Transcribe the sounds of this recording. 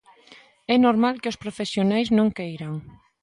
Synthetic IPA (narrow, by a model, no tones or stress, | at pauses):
ɛnoɾmalkeospɾofesjonajznõŋkejɾaŋ